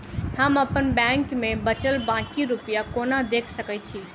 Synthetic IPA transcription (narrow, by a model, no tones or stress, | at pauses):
həməpənbɛ̃ŋkmẽbət͡ʃəlbãkiɾupjakonad̪ekʰsəkɛt͡ʃʰi